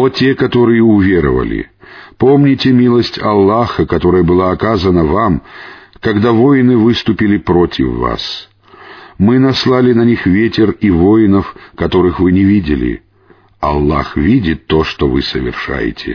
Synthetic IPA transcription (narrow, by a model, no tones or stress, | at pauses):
otʲekɐt̪o̞ɾɨjɪʊvʲe̞ɾə̰və̰lʲɪ̰po̞mnʲɪtʲɪmʲilˠəsʲtʲɐlˠːaxəkɐt̪o̞ɾəjəbɨlˠaːkazənəvamkɐɡd̪avo̞jnɨvɨst̪ʊpʲɪlʲɪpɾo̞tʲɪ̰fːa̰s | mɨnɐslˠalʲɪnɐnʲixvʲetʲɪrivo̞jɪnəfkɐt̪o̞ɾɨxvɨnʲɪvʲidʲɪlʲɪ̰ | ɐ̰lˠːa̰xvʲidʲɪt̪ːo̞ʂt̪ovɨsəvʲɪ̰rʂa̰jɪ̰tʲɪ̰